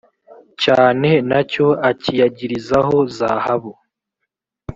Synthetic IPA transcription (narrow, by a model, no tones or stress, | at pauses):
caːne̞naco̞acijaɟiɾizaɦo̞za̰ːhaβo